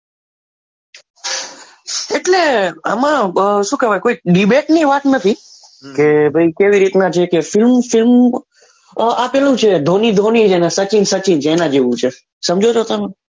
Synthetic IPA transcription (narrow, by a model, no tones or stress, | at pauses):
eʈleə̰mãʃũkəʋajkoiɖibeʈniʋat̪nət̪ʰi | kebʱəjkeʋiɾit̪nat͡ʃʰekefɪlmfɪlm | apelũt͡ʃʰed̪ʱonid̪ʱonid͡ʒenesət͡ʃinsət͡ʃint͡ʃʰeːnãd͡ʒeʋũt͡ʃʰe | səmd͡ʒʱot͡ʃʰot̪əme